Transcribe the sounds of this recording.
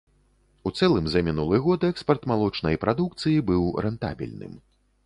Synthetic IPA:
ut̪sɛlˠɨmzɐmʲinulˠɨɣɔd̪ɛkspɐrt̪malˠɔt͡ʂnɐjpɾʔad̪ukt̪sɨjibɨwɾɛnt̪a̰bʲḭlʲnɨ̰m

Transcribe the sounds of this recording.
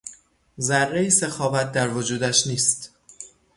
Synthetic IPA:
zæɾːejisexɒːvæt̪̚ʰd̪æɾvod͡ʒuːd̪æʃniːst̪

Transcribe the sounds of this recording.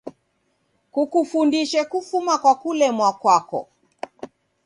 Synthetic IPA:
kukufundiʃɛkufumakwakulɛmwakwakɔ̰

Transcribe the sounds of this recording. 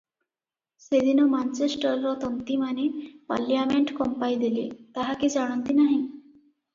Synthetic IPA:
sed̪inɔmant͡ɕesʈəɾːɔt̪ənt̪imanepa̰lːjameɳʈkɔmpajd̪elḭt̪aɦakid͡zaɽ̃ɔnt̪inaɦi

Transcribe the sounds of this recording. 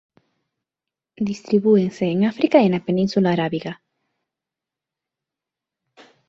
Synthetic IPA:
d̪ist̪ɾiβueŋseːŋafɾikaenapenĩnsulaːɾaβiɣa

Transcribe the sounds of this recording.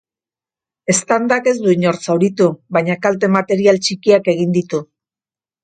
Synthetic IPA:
e̞st̪and̪ake̞zd̪uiɲo̞ɾt͡sawɾit̪uβaɲakalt̪̬e̞mat̪e̞ɾialt͡ʃikiake̞ɣ̞ind̪it̪u

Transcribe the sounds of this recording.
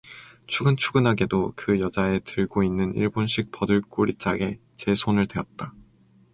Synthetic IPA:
t͡ɕʰuɡɯnt͡ɕʰuɡɯnɦaɡe̞dokɯjʌd͡ʑae̞tɯɭɡoinːɯnḭɭbonɕʰik̚p͈ʌdɯɭk͈oɾit͡ɕ͈aɡe̞ | t͡ɕe̞sʰonɯɭdwe̞ʌt̚t͈a

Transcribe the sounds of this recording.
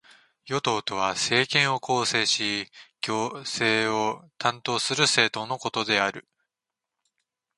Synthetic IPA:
jo̞t̪o̞ːt̪o̞β̞ase̞ːkẽ̞ɰ̃o̞ko̞ːse̞ːɕiɡ̥ʲoːse̞ːo̞t̪ãnt̪o̞ːsɨɾɯ̟se̞ːt̪o̞no̞ko̞t̪o̞d̪e̞aɾɯ̟

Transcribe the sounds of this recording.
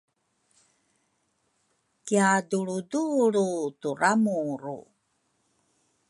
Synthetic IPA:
kiaduɭuduɾutuɾamuɾṵ

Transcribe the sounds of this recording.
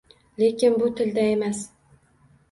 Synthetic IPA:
lekʲɪnbʊt̪ʰɪld̪ae̞mas

